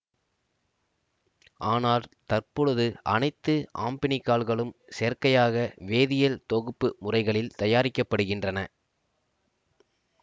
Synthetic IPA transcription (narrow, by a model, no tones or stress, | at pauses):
ʔaːnaːlt̪ɐrpɔɻɯðɯʔɐnɐɪt̪ːɯʔaːmpɪnɪkːaːɭɣɐɭɯmsɛɾkɐjaːɣɐʋeːðɪjɐlt̪ɔɣɯpːɯmʊrɐɪɣɐɭɪlt̪ɐjaːɾɪkːɐpːɐɽɯɣɪndrɐnɐ